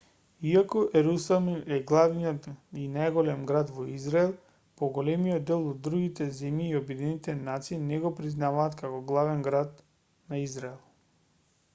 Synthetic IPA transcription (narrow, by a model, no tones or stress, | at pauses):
iakɔʔɛɾusamiɛɡlˠavniɔt̪inajɡɔlɛmɡɾad̪vɔizɾaɛlˠ | pɔɡɔlɛmijɔd̪ːɛlˠɔd̪d̪ːɾuɡit̪ɛzɛmjiːobid̪init̪ɛnat̪siːnɛɡɔpɾiznavaːt̪kakɔɡlˠavɛnɡɾat̪ | naizɾaɛlˠ